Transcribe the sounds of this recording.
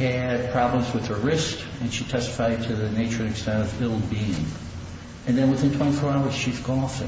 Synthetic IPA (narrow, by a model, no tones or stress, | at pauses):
ɨd̚pʰɹ̥ɑblə̃mzwɨð̥ə˞ɹɪsk | ɨ̃nʃitʰɛstə̥faɪd̚tʰɨðɨneɪt͡ʃə˞ɨ̃nɨkstɛ̃ntʌvɪlˠbiɪ̃ŋ | ɨ̃nðɨ̃nwɨθɪ̃ntʰw̥ɛ̃ifɔɹaʊə˞z̥ʃizɡɔfɪ̰̃